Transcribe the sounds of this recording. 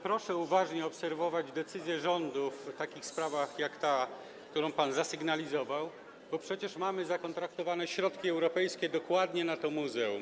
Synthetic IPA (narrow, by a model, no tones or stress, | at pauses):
pɾɔʂɛuvaʐɲɛɔpsɛɾvɔvad͡ʑd̪ɛt̪sɘzʲjɛʐɔnd̪uft̪akʲixspɾavaxjakt̪a | kt̪uɾɔ̃w̃panzasɘɡnalʲizɔvaw | bɔpʂɛt͡ɕɛʂmamɘzakɔnt̪ɾakt̪ɔvanɛɕɾɔt̪kʲiɛwɾɔpɛjskʲɛd̪ɔkwad̪ɲɛnat̪ɔmuzɛum